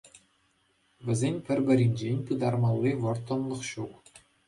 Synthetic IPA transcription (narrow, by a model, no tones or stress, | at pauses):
ʋʲɘ̆zʲenʲpʲɘ̆rʲbʲɘ̆ɾʲinʲd͡ʑenʲpɯd̪ɑrmɑlˠːiʋɤ̆rt̪ːɤ̆nlˠɤ̆χɕuk